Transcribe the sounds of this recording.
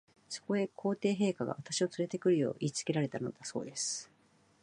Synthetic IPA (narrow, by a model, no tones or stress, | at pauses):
so̞̥ko̞e̞kʰo̞ːt̪e̞ːɦe̞ːkaɡa̰β̞at̪aɕio̞t͡sɨɾe̞t̪e̞kɯ̟ɾɯ̟jo̞̰ːʔiːt͡sɨ̥ke̞ɾaɾe̞t̪ano̞̰d̪aso̞̰ːd̪e̞sɨ̥